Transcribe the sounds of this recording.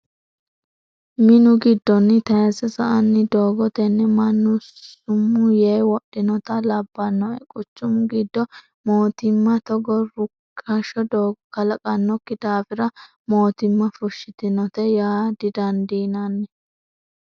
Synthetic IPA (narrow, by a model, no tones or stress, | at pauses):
mɪnʊɡɪd̪ːɔnːɪt̪ɐjɐsɛsɐʔɐnːɪd̪oːɡɔt̪ɛnːɛmɐnːʊsʊmːʊjɛjwɔɗɪnɔt̪ɐlɐbːɐnːɔɛ̰kʼʊt͡ʃːʊmɡɪd̪ːɔ | moːt̪ɪmːɐt̪ɔɡɔɾʊkʰːɐʃɔd̪oːɡɔkɐlɐkʼɐnːɔkːɪd̪aːfɪɾɐ | mo̞ːt̪ɪmːɐfʊʃːɪt̪ɪnɔt̪ɛjaːd̪ɪd̪ɐnd̪iːnɐnːɛ